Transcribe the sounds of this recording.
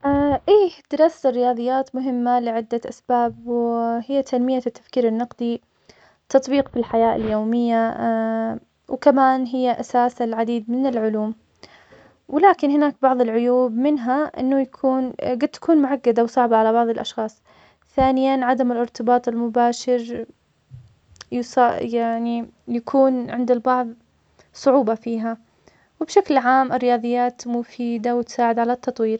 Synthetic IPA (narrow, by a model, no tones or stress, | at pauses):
ʔaʔiːd̪̥ɪɾˤɑːst̪ɪrːɪjɑːðˤɨjːaːt̪mʊɦɪmːalɪʕɪd̪ːaʔasbaːbwhɪjːat̪ʰanmɪjːat̪ːḁfkiːɾɪnːɑqd̪i | t̪ɑt̪ˤbiːqfilħajaːʔɪ̰ljoːmɪjːa | wkamaːnɦɪjːaʔasaːsalʕad̪iːd̪mɪnɪlʕʊluːm | wɪlaːkɪnhɪnaːk̚bɑʕðˤɪlʕʊjuːbmɪnɦaʔɪ̰nːʊjakʰuːnɡad̪̚t̪ːḁkʰuːnmʊʕaɡːad̪awsˤɑʕbaʕalabɑʕðˤɪlʔɑ̰ʃxɑːsˤ | θaːnɪjanʕad̪amɪlʔɪɾt̪ɪbɑːt̪ˤɪlmʊbaːʃɪɾ | jsajaʕnijakʰuːnʕɪ̰nd̪ɪlbɑʕðˤ | sˤʊʕuːbɑfiːɦa | wɪbʃaklʕaːmʔɪrːɪjɑːðˤɨjːaːt̪mʊfiːd̪awɪt̪saːʕɪd̪ʕalat̪ʰːɑt̪ˤwiːɾ